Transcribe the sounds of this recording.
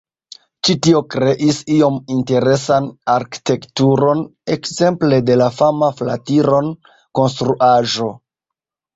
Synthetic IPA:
t͡ʃitio̞kɾe̞ʔisio̞minte̞ɾe̞sanaɾki̥te̞ktuɾo̞nekze̞mple̞de̞lafamafla̰tiɾo̞n | ko̞nstɾuʔaʒo̞

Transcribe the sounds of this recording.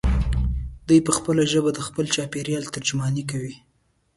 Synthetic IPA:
d̪ujpəxpəlaʒəbad̪əxpəlt͡ʃɑpeɾjɑlt̪əɾd͡ʒmɑnik̬awi

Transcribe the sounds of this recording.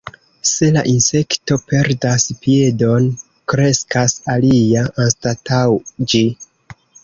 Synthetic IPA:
se̞laʔinse̞kto̞pe̞ɾdaspie̞do̞n | kɾe̞skasalijaʔanstatawd͡ʒi

